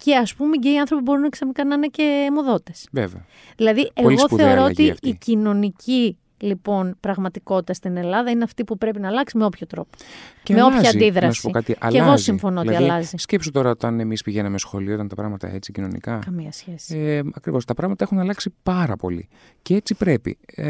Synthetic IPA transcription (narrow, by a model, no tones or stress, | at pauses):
ce̞ɐspumeceiɐnθɾopibo̞ɾinɐksɐɣnikɐnɐnece̞mo̞ðo̞t̪e̞sveveɐ | ðilɐðiʔe̞liɣo̞θe̞oɾɾoot̪ifːcino̞nici | lipo̞npɾɐɣmɐt̪iko̞t̪i̥t̪ɐst̪ine̞lɐðɐineɐft̪ipupɾe̞pinɐlɐksimeo̞pçot̪ɾo̞po̥meopçɐd̪iðɾɐnsu̥poikɐt̪iʔɐ̰leɣo̞ssiɱfo̞nooiɐlɐziscepsot̪o̞ɾɐot̪ɐne̞mispiʝenɐmesxo̞liot̪ɐnt̪ɐpɾɐɣmɐt̪ɐ̰e̞t͡sicino̞nḭkɐkɐmiɐsçesi̥eɐkɾivo̞st̪ɐpɾɐɣmɐt̪ɐexunɐlɐksipɐɾɐpo̰lḭ | ceet͡sipɾe̞pḭ